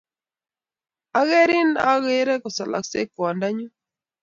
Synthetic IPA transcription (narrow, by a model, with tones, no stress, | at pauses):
a˦ɣe˦ɾi˦na˦ɣe˦ɾɛ˦ko˨sa˨la̰˨ksḛ˦kwa˨nda˦ɲu˦